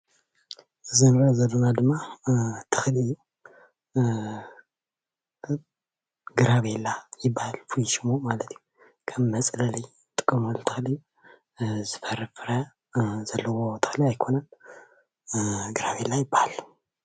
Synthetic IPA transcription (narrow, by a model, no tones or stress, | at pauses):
zɨnɾɐzɐlːonad̪ɨmːat̪ʰɨxɨlɨjːu | ɡɨɾaβelːajɪbːahalfujʃɨmomalɐt̪ʰiju | kʰɐmːɐt͡sʼlɐli | t̪ʼɨ̥kʼːɐmolt̪ʰɨxlɨjːu | zɨfɐɾɨfɾɐ | zɐlːɐwot̪ʰɨ̥xliajkʰo̞nɐn | ɡɨɾaβelːajɪbːahal